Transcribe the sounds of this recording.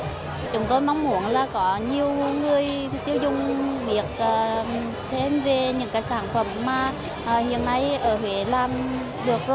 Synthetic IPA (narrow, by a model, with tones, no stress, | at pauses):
t͡ɕʊ˨˦ŋ͡mt̪o˧jma˧˦wŋ͡mmu˨˩˦ənlaː˨˩kɔ˨˦ɲi˨˩əwŋɨ˨˩əjt̪i˨˦əwzʊ˨˩ŋ͡mvi˨˩ək̚ʔəː˧˩ | t̪ʰe˧˦nve˨˩ɲɨ̰˧˥ŋkaː˨˦jsaː˧˩nfə˧˩mːaː˨˩ | ʔəː˨˩hḭ˧˨ənːa˧jʔəː˧˩hwe˧˨˦laː˧˩m | ɗɨ˨˩ək̚zo˧